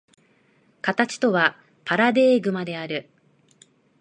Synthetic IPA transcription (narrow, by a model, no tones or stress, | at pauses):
kat̪at͡ɕi̥t̪o̞βa | paɾad̪e̞ːɡɯ̟mad̪e̞aɾɯ̟